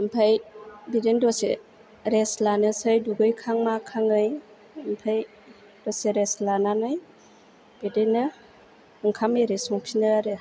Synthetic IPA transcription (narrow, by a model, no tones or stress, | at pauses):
ɯmpʰajbidendɔsḛ | ɾeslanɯsɯjduɡɯjkʰaŋmakʰaŋɯj | ɯmpʰaj | d̥ɔseɾeslananɯj | b̥idenɯ | ɯŋkʰameɾesɔŋpʰinɯɾɯ